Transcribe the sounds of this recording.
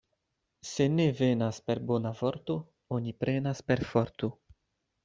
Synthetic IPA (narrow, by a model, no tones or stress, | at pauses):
se̞ne̞ve̞naspe̞ɾbonavo̞ɾt̪o | onipɾʔe̞naspe̞ɾfoɾt̪o